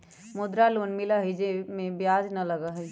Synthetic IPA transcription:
mʊd̪ɾaloːnmɪlaɦid͡ʒemẽbjaːd͡ʒnɐlɐɡaɦ

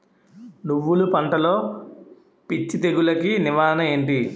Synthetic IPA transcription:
nuʋːulupɐɳʈɐlo̞ː | pit͡ʃːit̪eɡulɐkiniʋaːnɐe̞ːɳʈi

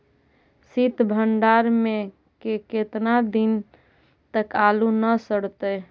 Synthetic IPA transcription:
sit̪bʱəɳɖaːɾmẽ | keket̪nad̪in | t̪əkalunəsəɽ̤t̪e

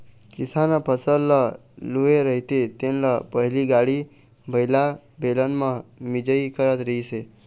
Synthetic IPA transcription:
kɪsanapʰəsəlːə | lueɾəɦit̪et̪enləpəɦiliɡaɽi | bʱəjla | belənmãmid͡ʒəikəɾət̪ɾəɦit͡ʃʰe

